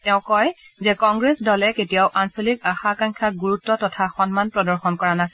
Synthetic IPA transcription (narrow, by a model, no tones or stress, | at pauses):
tɛʊ̃kɔj | zɛkɔŋɡɹesdɔlɛketijaʊʔansolikaxakaŋkʰaɡuɹutːɔtɔtʰaxɔnmanpɹɔdɔɹxɔnkɔɹanasi